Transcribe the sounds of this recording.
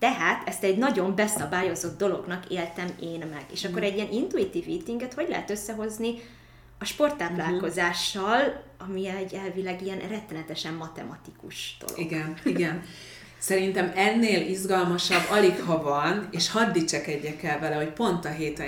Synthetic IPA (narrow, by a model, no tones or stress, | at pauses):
t̪ɛɦaːt̪ɛst̪ɛɟnɒɟo̞mbɛsɒbaːjo̞zo̞d̪̚d̪o̞lo̞̰ɡnɒkeːlt̪ɛmeːnmɛɡ̥ḛːʃɒkkːoɾɛɟːiɛnʔint̪uit̪iːviːt̪iŋɡɛt̪ho̞ɟlɛ̰ɦɛt̪øsːɛɦo̞zni | ɒʃpo̞rt̪ːaːplaːlkko̞zaːʃːɒlɒmiɛɛɟːɛlvilɛɡiɛnrɛt̪ːɛnɛt̪ɛʃɛmːɒt̪ɛ̰mɒt̪ikuʃd̪̥o̰loiɡɛniɡɛn | sɛɾint̪ɛmɛnːeːlizɡɒlmɒʃɒbːɒlikhɒvɒneːʃhɒd̪ːit͡ʃɛkɛɟːɛkɛlvɛlɛho̞cpo̞nt̪ɒɦeːt̪ɛ